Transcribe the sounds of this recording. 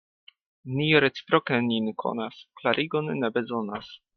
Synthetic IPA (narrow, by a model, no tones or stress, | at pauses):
niɾet͡si̥pɾokenʲinkʰo̰nasklaɾʔiɡonnebezonas